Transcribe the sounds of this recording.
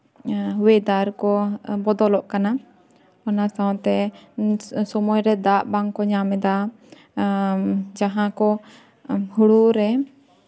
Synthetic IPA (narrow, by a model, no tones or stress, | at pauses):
wɛd̪aɾkɔbɔd̪ɔlɔʔkana | ɔnasaw̃t̪ɛ | sɔmɔjɾɛd̪aʔbaŋkɔɲamɛd̪a | d͡ʒaɦãkɔ | huɽuʔɾɛ